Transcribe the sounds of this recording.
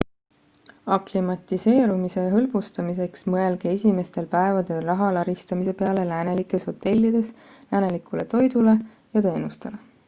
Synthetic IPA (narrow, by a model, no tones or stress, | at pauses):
ɑklimɑt̪ise̞ːɾumise̞ɦɤ̞lb̥ust̪ɑmise̞ksmɤe̞lɡ̥eesʲime̞st̪e̞lpæevɑd̪̥e̞lrɑɦɑlɑɾist̪ɑmise̞pe̞ɑle̞læːne̞likːˑe̞sho̞t̪ːe̞lʲːid̪̥e̞s | læːne̞likule̞t̪o̞jd̪̥ule̞ | jɑt̪e̞ːnust̪e̞le̞